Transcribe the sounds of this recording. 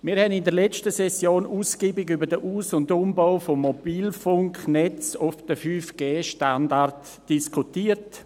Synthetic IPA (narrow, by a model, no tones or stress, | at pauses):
miːɾhɛnɪndəɾlɛt͡ʃtəsɛsjoːnuːsɡ̥iːbɪɡybədəʔuːsʊndʊmbaʊfomːobiːlfʊŋknɛt͡sʊfd̥əfyːfɡ̥eːʃtandart | d̥iskʰutiːərt